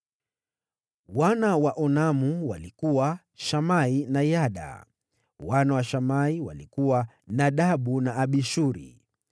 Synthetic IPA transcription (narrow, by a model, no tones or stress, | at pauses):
wanawaʔɔnamuwalikuwa | ʃamainajaɗa̰ | wanawaʃamaiwa̰likuwa | naɗaɓunaːɓiʃuɾḭ